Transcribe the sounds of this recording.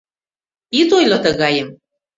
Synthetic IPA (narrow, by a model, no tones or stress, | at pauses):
it̪ojlɤ̆t̪ə̆ɣɑjəm